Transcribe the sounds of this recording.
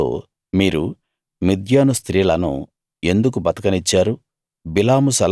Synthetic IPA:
o̰ː | miːɾu | mid̪ʱjaːnust̪ɾiːlɐnṵ | e̞nd̪ukubɐt̪ɐkɐnit͡ʃːaːɾu | bilaːmusɐl

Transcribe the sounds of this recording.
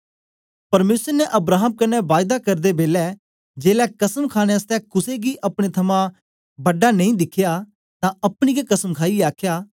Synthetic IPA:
pɐɾmeːsəɾnɛʔɐbɾaːɦəmkɐnɛʋaːɪd̪akɐɾd̪ebeːlɛː | d͡ʒeːlɛːkɐsəmkʰaːɽ̃eəst̪ɛːkʊseɡiːʔɐpɽ̃et̪ʰɐmã | bɐɖaːnɐ̃ĩːd̪ɪkʰːjaː | t̪ãːɐpɽ̃iːɡekɐsəmkʰaːiaːkʰjaː

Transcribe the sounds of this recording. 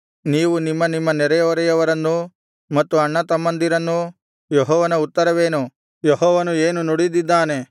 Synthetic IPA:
niːʋunimːɐnimːɐnɛɾɛjɐɐɾɛjɐʋɐɾɐnːu | mɐt̪ːuɐɳːɐt̪ɐmːɐnd̪iɾɐnːu | jeɦɔːʋɐnɐut̪ːɐɾɐʋeːnu | jeɦɔːʋɐnueːnunoɽid̪id̪ːaːne̞

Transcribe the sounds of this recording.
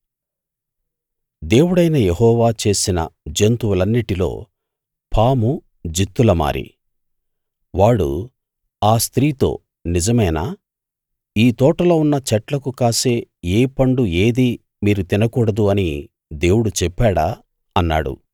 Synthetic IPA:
d̪e̞ːwuɽɐjnɐjeɦɔːʋaːt͡ʃe̞ːsinɐ̰d͡ʒent̪uwulɐnːiʈilo̞̰ː | pʰaːmu | d͡ʒit̪ːulɐma̰ːɾʔḭ | ʋaːɽṵ | aːst̪ɾiːt̪o̞̰ː | nid͡ʒɐmɐjnaː | iːt̪ɔːʈɐloːunːɐt͡ʃɛʈlɐkukaːse̞ːeːpɐɳɖue̞ːd̪iː | miːɾut̪inɐkuːɽɐd̪uɐni | d̪e̞ːwuɽut͡ʃɛpːaːɽaː | ɐnːa̰ːɽṵ

